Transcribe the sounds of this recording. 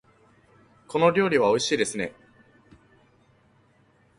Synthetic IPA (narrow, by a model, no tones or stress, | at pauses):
kʰo̞no̞ɾʲo̞ːɾʲiβ̞ao̞iɕiːd̪e̞sɨne̞